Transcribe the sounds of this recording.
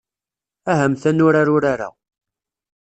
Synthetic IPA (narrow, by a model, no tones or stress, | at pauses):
æɦəmθænʊɾaɾʊɾaɾa̰